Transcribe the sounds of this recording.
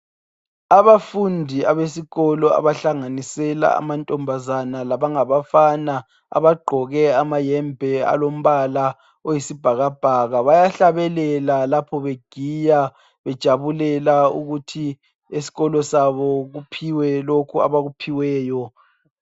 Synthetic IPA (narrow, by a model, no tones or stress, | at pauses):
aβafundʱiaβesiɣɔlɔa̰βaɬaŋanisɛla̰a̰mantʼɔmbʱazanalaβaŋaβafana | a̰βaɡ͡ǃʱɔɣɛamajɛmbʱɛa̰lom̩βala | ojisib̥ʱaɣab̥ʱaɣaβajaɬaβɛlɛlalapʰɔβeɡ̥ʱija | βɛd̥ʒ̥ʱaβulɛlaṵɣutʰi | esi̥ɣɔlɔsaβɔɣupʰiwɛlokʰua̰βaɣupʰiwɛːjɔ